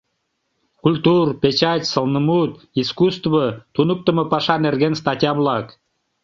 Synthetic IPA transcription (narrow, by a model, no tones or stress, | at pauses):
kulʲt̪urpʲet͡ɕɑt̪ʲsəlˠnəmut̪̚ | iskust̪vət̪unuk̚t̪ə̆mɤ̆pɑʃɑnerɡenst̪ɑtʲiɑβlˠɑk